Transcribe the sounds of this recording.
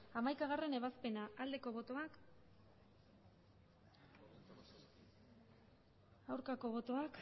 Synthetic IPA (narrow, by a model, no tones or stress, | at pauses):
amajkaɣ̞are̞ne̞β̞aspe̞naːld̪e̞ko̞βo̞t̪oak | awɾkako̞βo̞t̪o̞ak